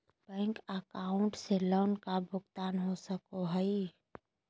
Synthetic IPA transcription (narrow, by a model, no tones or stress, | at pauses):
bɛ̃ːŋkəkaːʊ̃ɳʈseloːnkabʱʊɡt̪aːnɦosəkoɦəi